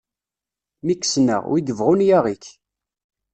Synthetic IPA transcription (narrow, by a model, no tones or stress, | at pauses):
mikːsnə̰ʁwid̪əvʁʊnjæʁik